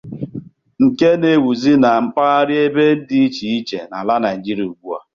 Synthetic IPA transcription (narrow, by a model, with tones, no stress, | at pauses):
ŋ̩˨ke˦ne˨wu˨zi˦na˨m̩˦pa˦a˦ɾɪ˦e˦be˦n̩˦dɪ˦i˦t͡ʃi˨i˦t͡ʃḛ˨na˨la˦na˨jd͡ʒi˦ɾju˨ɡ͡bʷu˦a̰˨